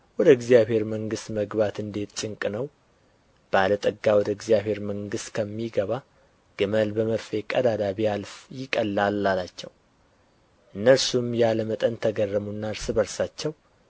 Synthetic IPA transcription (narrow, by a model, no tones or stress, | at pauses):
wɔd̪əɨɡzijaβhe̞ɾməŋɡɨst̪məɡβat̪ɨnd̪e̞t̪t͡ʃʼɪŋkʼɨnəw | b̥əalət̪ʼəɡːawɔd̪əɪɡzijaβhe̞ɾməŋɡɨst̪kʰəmːiɡəβa | ɡ̥ɨməlbəməɾfe̞kʼəd̪ad̪aβialfjɪkʼəlːalːalat͡ʃːɛ̰w | ʔɨnːəɾsumjaləmət̪ʼənt̪ʰəɡərːəmunːaɾsɨβəɾsat͡ʃːɛw